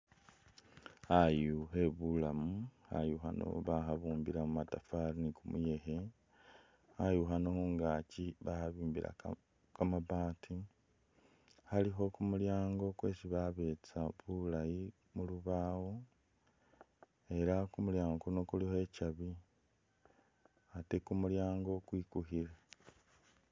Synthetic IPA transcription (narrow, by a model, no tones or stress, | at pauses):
ajuɦe̞βulamuha̰juxa̰no̰βaxaβuːmbiɾamumatafaɾinikumṵje̞xe̞ | hajuxanohoŋɡaciβahaβiːmbḭɾa̰ | kamaβaːtʰi | haliɦo̞kumuljaːŋɡo̞kwe̞ːsiβaβe̞ːt͡saβulaji | muluβaːwo̞ | e̞ɾakumuljaːŋɡono̞kulihoe̞caβi | ate̞kumuljaːŋɡo̞kwiːkuɦiɾa